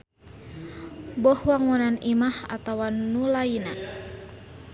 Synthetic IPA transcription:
bɔhwaŋunanimaha̰t̪awanulaina

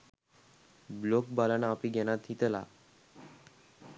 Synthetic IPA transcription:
blok̚balanapiɡɛnat̪ɦit̪ela̰

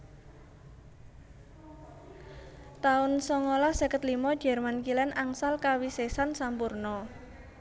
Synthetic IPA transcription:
t̪aʊnsɔŋolahsəkət̪limɔd̥ʒ̥ɛ̤rmankilɛnʔaŋsalkawisesansampurnɔ

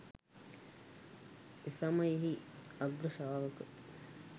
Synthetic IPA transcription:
esɐmɐjiɦiɐɡɾuʃaːʋɐkə

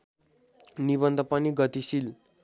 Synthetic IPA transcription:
niβʌnd̪ʱʌpaniɡʌt̪isil

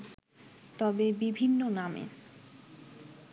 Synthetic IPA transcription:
t̪ɔbebibʱinːonamḛ

